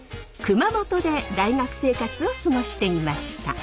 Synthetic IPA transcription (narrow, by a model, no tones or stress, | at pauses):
kɯ̟mamo̞t̪o̞d̪e̞d̪aiŋakɯ̟̥se̞ːkat͡sɨo̞sɨɡo̞ɕi̥t̪e̞imaɕi̥t̪a̰